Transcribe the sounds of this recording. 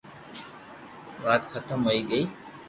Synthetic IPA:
ʋaːt̪kʰət̪əmɦoiːɡəiː

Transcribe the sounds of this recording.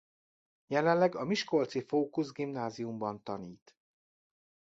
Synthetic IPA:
jɛlɛnlːɛɡɒmiʃko̞lt̪sifoːkuzɡimnaːzijumbɒnt̪ɒniːt̪

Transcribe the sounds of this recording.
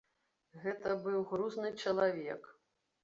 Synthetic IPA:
ɣɛt̪ɐbɨwɣɾuznɨt͡ʂɐlˠavʲɛ̰k

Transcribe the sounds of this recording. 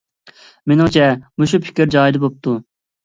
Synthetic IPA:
menɪŋt͡ʃʰɛmuʃ̬upʰɪ̥kʲɪɾd͡ʒɑːjid̪ɨbop̚t̪ʰu

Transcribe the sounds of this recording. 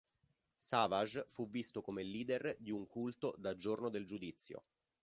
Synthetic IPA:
saːvaʒfuvːist̪okomelːiːd̪erd̪iuŋkult̪od̪ad͡ʒornod̪eld͡ʒud̪it̪sːjo̰

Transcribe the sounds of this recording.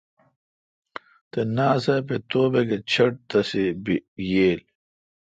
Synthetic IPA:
t̪enaːsɐpet̪oːbeɡet͡ɕʰɐʈ̚t̪ɐsibijeːl

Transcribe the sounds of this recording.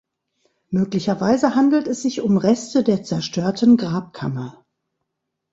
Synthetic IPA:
møːklɪçɐvaɪzəhandl̩tɛsz̥ɪçʊmʁɛstədeːɐt͡sɛɐʃtʰøːɐtn̩ɡʁaːp̚kʰa̰mɐ

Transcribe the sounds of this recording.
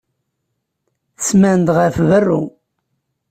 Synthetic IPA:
θəsmænd̪ʁəfvərːṵ

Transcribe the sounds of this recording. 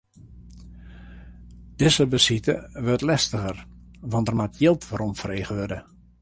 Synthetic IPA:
d̥ɪzəbəsitə̰ʋøtlɛstəɣərʋɔndərmatjɪlˠtʋəɾɔmfreːɣəʋødə

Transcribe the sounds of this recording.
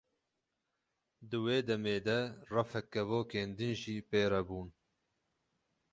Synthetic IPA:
d̪ɨweːd̪ɛmeːd̪ɛrɐfɛkːɛvoːkeːnd̪ɨnʒiːpeːɾɛbuːn

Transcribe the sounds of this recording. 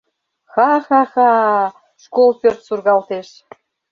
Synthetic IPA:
xɑxɑxɑ | ʃkolpʲørt̪surɣɑlt̪eʃ

